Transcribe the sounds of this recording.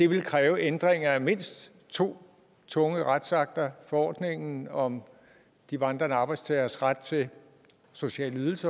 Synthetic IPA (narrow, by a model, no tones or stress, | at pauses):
d̥e̝ʋe̝lkʰʁɛːʊʔend̥ʁeŋɐæme̝n̰sd̥ | t͡sʰo̝̰ː | t͡sʰɔ̽ŋəʁad̥sɑ̈ɡ̥̚d̥ɐfɒ̽ɒ̰ːd̥ne̝ŋn̩ɒ̽m | d̥iʋɑ̈nd̥ʁɐnɑ̈ːb̥ɑ̈ɪd̥st͡sʰɛɪɐsʁad̥̚t͡sʰe̝ | so̝ɕɛ̰ːləyð̞ˠl̩sɐ